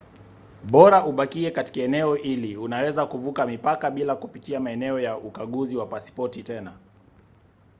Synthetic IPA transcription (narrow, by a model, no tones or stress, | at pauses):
ɓɔɾaʔuɓakiɛkati̥kaɛnɛɔʔiliunawɛzakuvukamipakaɓilakupitiamaɛnɛɔjaʔukaɠuziwapaspɔtitɛna